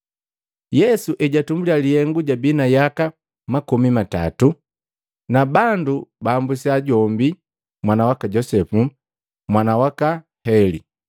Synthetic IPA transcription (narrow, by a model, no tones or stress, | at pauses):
jɛsuʔɛɟatumbulialihɛŋɡuɟabinajaka | makumimata̰tu | nabandubaːmbusiaɟɔmbi | mwanawakaɟɔsɛfu | mwanawaka | hɛlḭ